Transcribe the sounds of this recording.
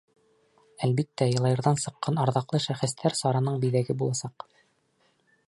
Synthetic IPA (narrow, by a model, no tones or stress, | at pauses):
ælbit̪ːæjɤ̆lˠɑjɤ̆ɾðɑnsɤ̆qːɑnɑɾðɑqlˠɤʃæχɘ̆st̪ʰæɾsɑɾɑnɤɴbiðæɡɘbulˠɑsɑq